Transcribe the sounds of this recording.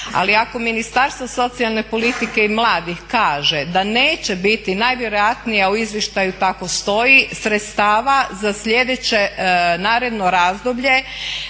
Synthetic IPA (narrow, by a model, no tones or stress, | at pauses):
a̰liako̞minist̪aɾst̪ʋoso̞t̪sialˠne̞po̞lit̪ike̞imlˠaːd̪ixkaːʒed̪ane̞ːt͡ɕebit̪inajʋjeɾo̞jat̪nijauizʋjeʃt̪ajut̪ako̞st̪o̞jisɾet̪st̪aːʋazasʎe̞d̪et͡ɕe̞naːɾed̪no̞ɾaːzd̪obʎe̞